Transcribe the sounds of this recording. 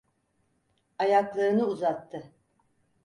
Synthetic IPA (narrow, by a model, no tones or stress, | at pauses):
ajaklˠaɾɯnɯuzat̪ʰːɯ